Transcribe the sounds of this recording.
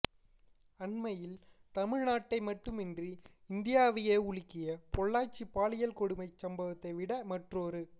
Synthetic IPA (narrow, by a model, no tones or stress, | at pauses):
ɐɳmɐjɪl | t̪ɐmɪɻnaːʈːɐɪmɐʈːɯmɪndriɪnd̪ɪjaːʋɪjeːʊɭɪkːɪjɐpɔɭːaːt͡ʃːipːaːɭɪjɐlkɔɽɯmɐɪt͡ʃːɐmbɐʋɐt̪ːɐɪʋɪɽɐmɐʈroːɾɯ